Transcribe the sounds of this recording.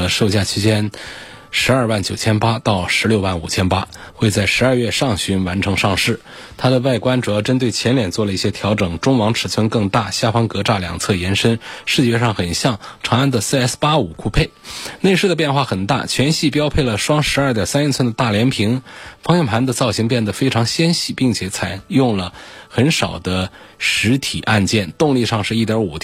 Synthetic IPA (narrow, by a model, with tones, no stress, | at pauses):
ʂo˥˧ʊt͡ɕja˥˩t͡ɕʰi˥t͡ɕjɛ˥n | ʂɻ̩˧˥ɐ˞˥˧wa˥˩nt͡ɕjo˨˩ʊt͡ɕʰjɛ˥npa˥t̪ɑ˥˩ʊʂɻ̩˧˥ljo˥˧ʊwa˥˩nu˨˩t͡ɕʰjɛ˥npa̰˥ | xwe˥˧ɪt͡sa˥˩ɪʂɻ̩˧˥ɐ˞˥˧ɥɛ˥˧ʂɑ˥˩ŋɕy˧˥nwa˧˥nʈ͡ʂʰɤ˧˥ŋʂɑ˥˧ŋʂɻ̩˥˩ | t̪ʰa˥d̪ə˨wa˥˩ɪkwa˥nʈ͡ʂu˨ɤ˧˩˥ʈ͡ʂə˥nt̪̬we˥˩ɪt͡ɕʰjɛ˧˥nljɛ˨˩nt͡swɔ˥˩lə˩i˥˩ɕjɛ˥t̪ʰjɑ˧˥ʊʈ͡ʂɤ˨˩ŋʈ͡ʂʊ˥ŋwɑ˧˥ŋʈ͡ʂʰɻ̩˨˩t͡sʰwə˥nkɤ˥˧ŋt̪a˥˩ɕja˥˩fɑ˥ŋkɤ˧˥ʈ͡ʂa˥˩ljɑ̰˨˩ŋt͡sʰɤ˥˩jɛ˧˥nʂə˥nʂɻ̩˥˧t͡ɕjɛ˥˧ʂɑ˥˩ŋxə˨˩nɕjɑ˥˩ŋʈ͡ʂʰɑ˧˥ŋa˥˩nd̪ə˩sɛ˥spa˥u˨˩kʰu˥˧pʰe˥˩ɪne˥˧ɪʂɻ̩˥˩ə˩pjɛ˥˧nxwa˥˩xə˨˩nt̪a̰˥˩t͡ɕʰɥɛ˧˥nɕi˥˩pjɑ˥ʊpʰe˥˩ɪlə˩ʂwɑ˥ŋʂɻ̩˧˥ɐ˞˥˩t̪jɑ˨˩sa˥ni˥˩t͡sʰwə˥nd̪ə˧t̪a˥˩ljɛ˧˥npʰi˧˥ŋfɑ˥ŋjɛ˥˩npʰa˧˥nd̪ə˧t͡sɑ˥˩ʊɕi˧˥ŋpjɛ˥˩nd̪ə˩fe˥ɪʈ͡ʂʰɑ˧˥ŋɕjɛ˥nɕi˥˩pi˥˩ŋt͡ɕʰjɛ˧˥t͡sʰa˨˩ɪjʊ˥˩ŋlə˩xə˧˥nʂɑ˨˩ʊd̪ə˦ | ʂɻ̩˧˥t̪ʰḭ˨˩ʔa˥˧nt͡ɕjɛ˥˩nt̪ʊ˥˧ŋli˥˧ʂɑ˥˧ŋʂɻ̩˥˧i˥˩t̪jɑ˧˥u˨˩t̪ʰ